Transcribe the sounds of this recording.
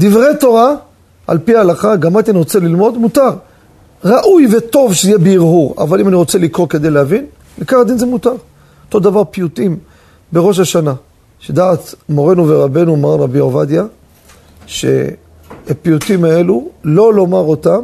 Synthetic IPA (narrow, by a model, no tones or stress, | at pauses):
d̪ivʁejt̪o̞ʁa | ʔa̰lpialaχaɡamat̪ianiʁot͡selilmo̞d̪mutaʁ | ʁaʔujveto̞vʃeijebeiʁhuʁa̰valimaniʁo̞t͡selikʁoke̞d̪ejleavin | likaχad̪inzemut̪aʁ | ot̪o̞d̪avaʁpijutim | beʁo̞ʃ̬aʃana | ʃed̪aːt̪mo̞ʁe̞nuveʁabe̞numaʁanʁabiovad̪ja | ʃḛ | apijut̪imae̞lulo̞lo̞maʁo̞tam